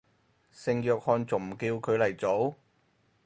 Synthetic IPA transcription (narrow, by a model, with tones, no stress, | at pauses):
sɪ˧ŋjœː˧k̚hɔː˧nt͡so˨˩ŋm̩˨˩kiː˧wkʰɵ˨˧lɐ˨˩jt͡so˨˥w